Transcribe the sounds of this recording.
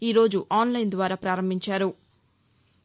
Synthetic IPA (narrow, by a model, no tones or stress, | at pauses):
iːɾo̞ːd͡ʒuʔaːnlɐjnd̪ʋaːɾaːpɾaːɾɐmbʱiɲt͡ʃaːɾu